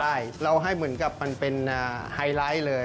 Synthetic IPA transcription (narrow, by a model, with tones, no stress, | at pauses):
aː˥˩jɾa˧wɦa˥˩jmɯ˩˦nka˨˩p̚ma˧npe˧nʔaː˧˩haː˧jlaː˦˥jlɤː˧j